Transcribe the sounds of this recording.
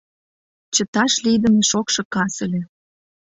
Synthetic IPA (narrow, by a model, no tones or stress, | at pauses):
t͡ɕə̆t̪ɑʃlid̪ə̆meʃokʃɤ̆kɑsə̆lʲĕ